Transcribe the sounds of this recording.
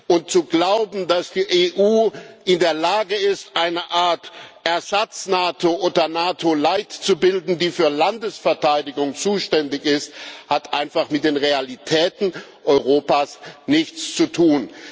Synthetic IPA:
ʔʊnt̚t͡suɡlaʊbm̩dasd̥iːʔeːʔuːʔɪndeːɐlaːɡəɪstʔaɪnɐʔaɐtʔɛɐzat͡snaːtʰoʔoːdɐnaːtʰolaɪtt͡subɪldn̩diːfyːɐlandəsfɛɐtʰaɪdɪɡʊŋt͡suːʃtɛndɪçɪsthatʔaɪnfaχmɪt̚d̥eːnʁealitʰɛːtn̩ | ʔɔʏʁoːpaːsnɪçt͡st͡sutʰuːn

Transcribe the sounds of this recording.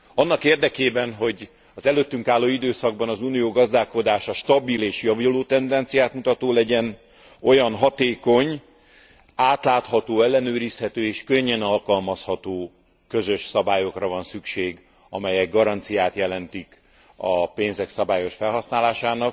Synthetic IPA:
ɒnːɒkeːrd̪ɛkeːbɛnɦo̞ɟ | ɒzɛløt̪ːyŋkaːlːoːid̪øːsɒɡ̚bɒnɒzuːnijoːɡɒzd̪aːko̞d̪aːʃɒʃt̪ɒbileːʃjɒviloːt̪ɛnd̪ɛnt̪sijaːt̪mut̪ɒt̪oːlɛɟɛn | o̞jɒnɦɒt̪eːko̞ɲ | aːt̪laːt̪hɒt̪oːɛlːɛnøːɾishɛt̪øːeːʃkø̞ɲːɛnɒlkɒlmɒshɒt̪oː | kø̞zø̞ʃsɒbaːjo̞krɒvɒnsykʃeːɡ | ɒmɛjɛɡːɒɾɒnt̪sijaːt̪jɛlɛnt̪ik | ɒpeːnzɛksɒbaːjo̞ʃfɛlɦɒsnaːlaːʃaːnɒk

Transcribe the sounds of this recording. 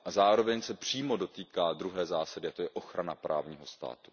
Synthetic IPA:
ʔazaːɾo̞vɛɲsɛpr̝̥iːmo̞do̞t̪iːkaːd̪ɾuɦɛːzaːsadɪat̪o̞jɛʔo̞xɾanapɾʔa̰ːvɲiːɦo̞st̪a̰ːt̪u̥

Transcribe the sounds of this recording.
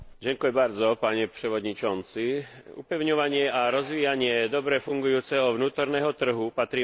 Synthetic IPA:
ɟɛŋkujɛbaɾd͡zɔpaɲɛpr̥ɛʋɔd̪ɲit͡ʃɔnt͡si | ṵpɛʊɲɔʋaɲɪɛʔaɾɔzʋiːjaɲɪɛd̪ɔbɾɛfuŋɡujuːt͡sɛɦɔʋnuːt̪ɔɾnɛːɦɔt̪r̩ɦupat̪ɾiː

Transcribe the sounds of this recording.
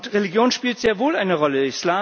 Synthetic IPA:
tʁeliɡjoːnʃpiːltz̥eːɐvoːlʔaɪnəʁɔləɪslaː

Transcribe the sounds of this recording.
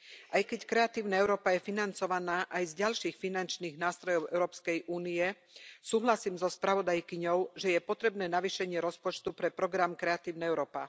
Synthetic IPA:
ʔajkɛckɾɛat̪iːʊnaɛʊɾɔːpajɛfinant͡sɔʋanaːʔajzɟalʃiːxfinant͡ʃniːɣnaːst̪ɾɔjɔʊʔɛ̰ʊɾɔːpskɛjʔuːniɛ | suːɦlasiːmzɔspɾaʋɔd̪ajkiɲɔʊʒɛjɛpɔt̪ɾɛbnɛːnaʋiːʃɛɲɪɛɾɔspɔt͡ʃt̪upɾɛpɾɔɡɾamkɾɛat̪iːʊnɛɛʊɾɔːpa̰

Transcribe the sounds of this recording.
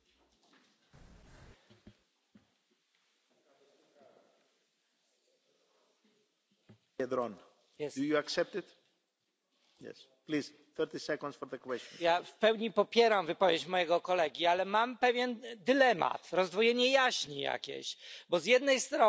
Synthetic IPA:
ɛd̪ɾɔ̃n | ɛdujuaksɛp̚t̪it̪ | jɛ̰s | pliz | θɛɾt̪isɛkɔ̃nd̪sfɔɾðəkwɛstɔ̃njafpɛwɲipɔpʲjɛɾamvɨpɔvʲjet͡ɕmɔjɛɡɔkɔlɛɡʲialɛmampɛvʲjɛnd̪ɘlɛma̰t̪ɾɔzd̪vɔjɛɲɛjaɕɲija̰kʲḛɕbɔzjɛd̪nɛjst̪ɾɔ

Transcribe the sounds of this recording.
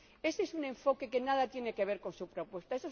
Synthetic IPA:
eseesunẽ̞ɱfo̞ke̞kenaðat̪je̞ne̞keβ̞eɾko̞nsupɾo̞pwe̞st̪aeso

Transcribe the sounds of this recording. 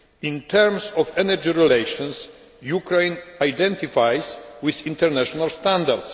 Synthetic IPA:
ĩnt̪ʰɛɾmsɔfɛnɛɾd͡ʒiɾɛlejʃɔ̃ns | jukɾẽjnajd̪ɛ̃nt̪ifajswɪθĩnt̪ɛɾnaʃɔnalst̪ãnd̪aɾd̪s

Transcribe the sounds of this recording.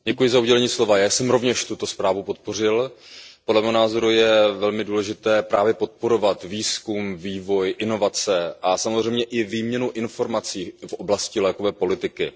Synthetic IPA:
ɟɛkujɪzauɟɛlɛɲiːslo̞vajaːsɛmɾo̞vɲɛʃt̪ut̪o̞spɾaːvupo̞t̪̚po̞r̝ɪlpodlɛmɛːɦonaːzo̞ɾujɛvɛlmɪduːlɛʒɪt̪ɛːpɾaːvjɛpo̞t̪̚po̞ɾo̞vat̪viːskumviːvo̞jʔɪno̞vat͡sɛʔasamozr̝ɛjmɲɛʔɪviːmɲɛnuʔɪnfo̞ɾmat͡siːfʔoblascɪlɛːkovɛːpo̞lɪt̪ɪkɪ

